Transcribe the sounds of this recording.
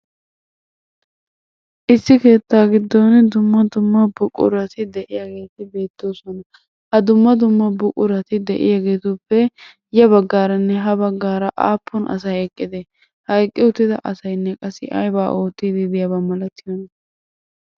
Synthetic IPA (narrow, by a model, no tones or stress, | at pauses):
ʔɪsːɪke̞ːt̪ːaːɡɪd̪ːond̪ʊmːɐd̪ʊmːɐbʊkʼʊ̰ɾɐt̪ɪd̪ɛʔɪjɐɡe̞ːt̪ɪbe̞ːt̪ːoːsɔnɐ | hɐd̪ʊmːɐd̪ʊmːɐbʊkʼʊɾɐt̪ɪd̪ɛʔɪ̰jaɡe̞ːt̪ʊpːɛ | jɐbɐɡːaːɾɐnːɛɦɐbɐɡːaːɾɐʔa̰ːpːɔnʔɐ̰sɐjɛkʼːɪd̪ɛ | hɐjkʼːɪʊt̪ːɪd̪ɐʔɐsɐjnːɛkʼɐsɪʔɐ̰jbaːʔoːt̪ːiːd̪ɪd̪ɪjɐbɐmɐlɐt̪ːɪjonɐ